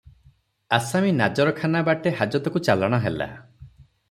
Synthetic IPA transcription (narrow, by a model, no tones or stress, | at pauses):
asaminad͡ʒɔɾɔkʰanabaʈehad͡ʒɔt̪ɔkut͡ʃalaɽ̃ɔɦela̰